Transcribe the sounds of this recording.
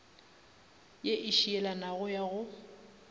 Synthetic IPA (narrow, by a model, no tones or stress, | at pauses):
jeʔɪʃiɛlanaɣʊjaɣʊ